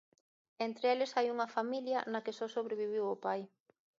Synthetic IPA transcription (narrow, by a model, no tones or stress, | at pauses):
ent̪ɾeelɪsajuŋɐfamiljɐnɐkɪsɔsoβɾeβiβ̞iwʊpaj